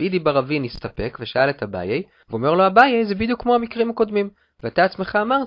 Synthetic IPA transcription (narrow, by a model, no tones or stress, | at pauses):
id̪ibaʁavinist̪ape̞kveʃaalet̪haba̰jej | veome̞ʁlo̞habajejzebid̪jukːmo̞amikʁimakod̪mim | veat̪aːt͡sme̞χaːmaʁ